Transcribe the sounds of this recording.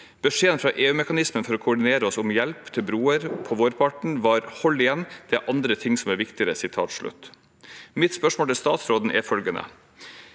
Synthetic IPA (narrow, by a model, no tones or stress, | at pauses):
b̥əʂeːənfɾɑːʔeːʉːmɛkɑnɪsmənfɔɾɔkʰʊʊɖɪneːɾəɔsʊmjɛlpt̪ʰɪlbɾuːəɾpʰɔʋoːɾpʰɑʈɳ̩ʋɑːɾhɔlːɪɛnːd̪̥ɛʔɑnd̪ɾət̪ʰɪŋsɔmæɾʋɪkt̪ɪəɾəsɪt̪ʰɑ̰ːt̪ʂɭʉ̰t̪ː | mɪt̪spœʂmoːlt̪ɪlst̪ɑːt̪sɾoːd̪n̩ʔɛfœlɡənə̰